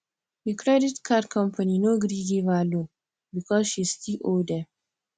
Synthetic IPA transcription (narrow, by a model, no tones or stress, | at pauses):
jəkʰɾɛdɪtkʰadkʰɔ̃mpʰaninoɡɾidivalo | bikʰɔzʃistʰilodə